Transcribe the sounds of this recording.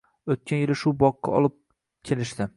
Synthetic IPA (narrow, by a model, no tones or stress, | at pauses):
ot̪̚kʲʰanjɪlɪʃʊbɒqːɑ̰ɒ̰lˠɪp̚ | kʲʰelɪʃd̪ɪ